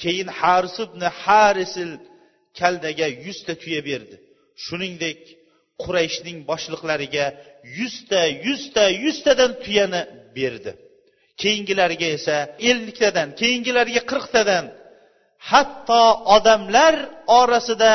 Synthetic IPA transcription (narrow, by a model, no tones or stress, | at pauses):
kʲʰe̞jɪnhaɾɪsɪbnɪhaɾesɪl | kʲʰald̪aɡʲajʊz̥t̪ʰat̪ʰʊjabe̞ɾd̪ɪ | ʃʊnɪŋd̪ekʲ | qʰʊɾajɪʃnɪŋbɒʃlˠɨqlaɾɪɡʲajʊz̥t̪ʰajʊz̥t̪ʰajʊz̥t̪ʰad̪ant̪ʰʊjanɪbe̞ɾd̪ɪ | kʲʰe̞jɪŋɡʲɪlaɾɡʲae̞sae̞lːɪkʲt̪ʰad̪ankʲʰe̞jɪŋɡʲɪlaɾɡʲaqʰɨɾqt̪ʰad̪an | hat̪ːɒɒd̪amlaɾɒɾasɪd̪a